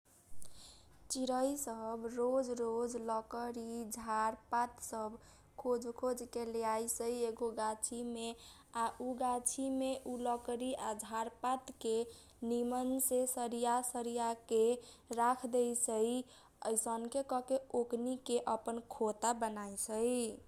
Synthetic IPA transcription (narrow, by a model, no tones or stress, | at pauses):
t͡ʃiɾəjsəbɾod͡ʒɾod͡ʒləkəɾid͡ʒʱaɾpat̪səb | kʰod͡ʒkʰod͡ʒkeleajsəieɡoɡat͡ʃʰime | aʔuɡat͡ʃʰimeʔuləkɾiad͡ʒʱaɾpat̪ke | nimənsesəɾijasəɾijake | ɾakʰd̪ejsəj | əjsənkekɔkeoknikeʔəpənkʰot̪abənajsʰəj